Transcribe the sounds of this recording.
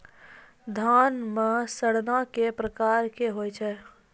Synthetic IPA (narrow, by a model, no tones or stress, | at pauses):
d̪ʱaːnmesəɽnakepɾəkaːɾkeɦoːjt͡ʃʰɛː